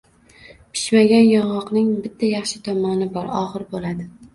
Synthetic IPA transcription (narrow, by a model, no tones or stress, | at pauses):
pʰɪ̥ʃmaɡʲanjɒʁɒqnɪŋbɪt̪ʰːajɑχʃɪt̪ʰɒmɒnɪbɒɾɒʁɨɾbolad̪ɪ